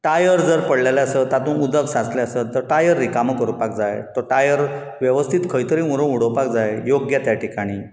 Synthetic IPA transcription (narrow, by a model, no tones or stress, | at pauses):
ʈajəɾd͡zəɾpəɽlalaəsət̪at̪ũːnud̪əksãt͡sleəsət̪əɾʈajəɾːikaməkəɾupak̚d͡zajt̪əɾʈajəɾ | ʋjeʋəst̪ʰit̪kʰəjt̪əɾĩɾõuɽəwpak̚d͡zajjoɡjat̪jaʈʰikaɽ̃iː